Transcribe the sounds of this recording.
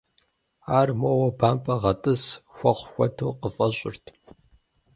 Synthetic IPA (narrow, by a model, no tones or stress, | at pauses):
aːrmowɐbaːmpʼɐʁɐtʼɨsxʷɐχʷxʷɔtʰoːqəfʼɐɕʼɪrtʰ